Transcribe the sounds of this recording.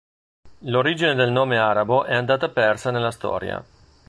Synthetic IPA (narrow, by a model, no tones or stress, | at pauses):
loɾid͡ʒined̪elnoːmeaːɾaboʔɛand̪aːt̪apɛrsanelːast̪ɔ̰ːɾja̰